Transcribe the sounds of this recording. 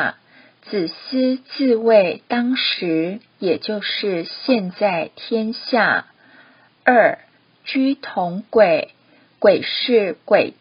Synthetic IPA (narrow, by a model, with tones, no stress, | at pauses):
t͡sɹ̩˨˩s̩˥t͡sɹ̩˥˧we˥˩ɪt̪ɑ˥ŋʂɻ̩˧˥ | jɛ˨˩t͡ɕjo˥˧ʊʂɻ̩˥˩˧ɕjɛ˥˧nt͡sa˥˩ɪt̪ʰjɛ˥nɕja˥˩ | ə˥˩ | t͡ɕy˥t̪ʰʊ˧˥ŋkwe˨˩ɪ | kwe˨˩ɪʂɻ̩˥˩kwe˨˩ɪ